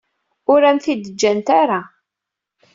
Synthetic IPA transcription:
ʊɾæmθid̪əd͡ʒːænt̪aɾa

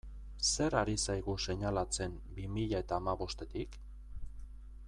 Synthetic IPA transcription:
se̞ɾaɾisajɣuse̞ɲalat͡se̞m | bimiʎae̞t̪aːmaβo̞st̪e̞t̪ik

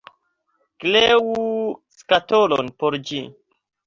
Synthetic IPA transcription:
klewuskatolo̰npoɾd͡ʒi

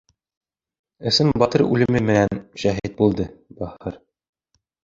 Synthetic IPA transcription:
ɘ̆sɘmbɒt̪ɤɾʉ̰lɘ̆mɘmɘ̆nænʃæɦiɘt̪̚bulˠd̪ɤbæhɤɾ

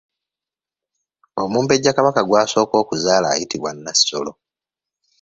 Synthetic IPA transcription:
omuːmpe̞ɟːakaβakaɡwaːso̞ːko̞ːkuzaːla̰ːjitiβwanːasi̥so̞̰lo̞

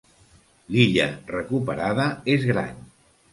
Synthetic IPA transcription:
liʎərəkupəɾaðəezɣɾa̰n

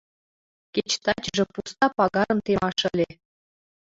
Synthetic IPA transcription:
kʲet͡ɕt̪ɑt͡ɕʒĕpust̪ɑpɑɣɑɾɤ̆mt̪emɑʃə̆lʲe

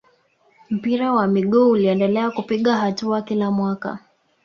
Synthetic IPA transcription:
m̩piɾawamiɠuuliɛndɛlɛakupiɠaɦatuakilamwaka̰

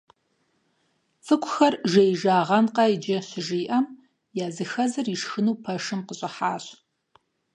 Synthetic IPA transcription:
t͡sʼɨkʷʰʼʊxɐrʒejʒaːʁɐnqɐid͡ʒɐɕɪʒiːʔɐm | jaːzɨxɐzɨriʂxɨnuwpʰɐʂɨmqəɕʼɪħaːɕ

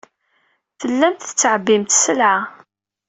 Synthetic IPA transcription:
θəlːæmt̪θə̥t͡sːʕəbːimt̪səlʕa

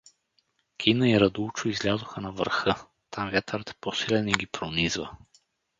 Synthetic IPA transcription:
kʲʰinəiɾɐd̪ut͡ʃʊizlʲazʊxənɐvəɾxɤ | t̪amvjat̪əɾət̪ɛ̥posilɛniɡʲipɾonizvə̰

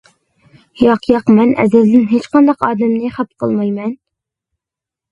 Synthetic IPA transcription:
jɑqʰjɑqmɛnʔɛ̰zɪzd̪ɪnɦet͡ʃqɑnd̪ɑqɑːd̪ɛmnɨχæp̚qʰə̰lˠmɑjmɛn

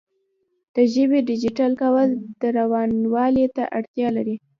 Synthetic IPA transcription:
d̪̥əʒəbeɖɪd͡ʒɪʈalkawəld̪̥əɾawɑnwɑlet̪a̰ʔaɽt̪jɑlaɾi

